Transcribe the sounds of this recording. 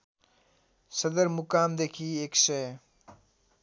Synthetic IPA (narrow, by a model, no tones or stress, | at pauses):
səd̪əɾmukaːmd̪ekʰieksəj